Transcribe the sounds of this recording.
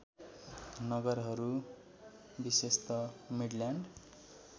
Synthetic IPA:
nʌɡʌrɦʌɾu | bisest̪ʌmiɽljaɳɖ

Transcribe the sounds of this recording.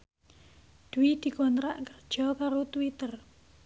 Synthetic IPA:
d̪̥uwid̪̥i̤kɔnt̪ɾaʔkərd̥ʒ̥ɔ̤kaɾot̪uwit̪ər

